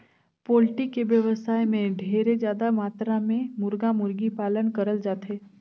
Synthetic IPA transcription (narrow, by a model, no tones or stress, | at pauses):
poːlʈikeʋjəʋəsaːjmẽɖʱeːɾed͡ʒjaːd̪amaːt̪ɾamẽmʊɾɡamʊɾɡipaːlənkəɾəld͡ʒaːt̪ɦeː